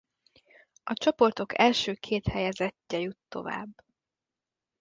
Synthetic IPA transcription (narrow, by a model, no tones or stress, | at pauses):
ɒt͡ʃopo̞rt̪o̞kɛlʃøːkʰeːt̪hɛjɛzɛcːɛjut̪ːo̞̰va̰ːbː